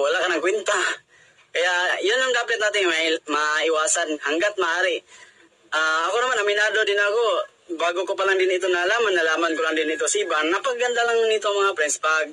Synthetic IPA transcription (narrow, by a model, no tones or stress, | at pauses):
walaʔkɐnaŋkwɛnt̪a | kɐjaʔjʊnaŋd̪aːpɪt̪̚naːt̪ɪŋmaɪwaːsanhaŋɡat̪̚maʔaːɾɪ | ʔaɐkonɐmanamɪnaːd̪od̪ɪnako | baːɡokop̬alaŋd̪ɪnɪt̪̬onalaːmanːɐlaːmankolaŋd̪ɪnɪt̪osibanapaɡand̪alaŋnɪt̪oŋmɐŋapɾɛnspaɡ̚